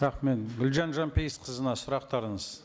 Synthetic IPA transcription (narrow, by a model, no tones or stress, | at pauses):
ɑqme̞nɡʲʏlʒɑnʒɑmpejəsqʰəzənɑsʊɾɑq̚t̪ɑɾəɴəz̥